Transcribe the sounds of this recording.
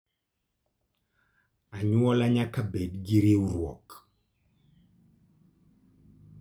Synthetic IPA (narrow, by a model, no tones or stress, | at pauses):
aɲwɔlaɲakabedɡiɾeuɾwɔ̰k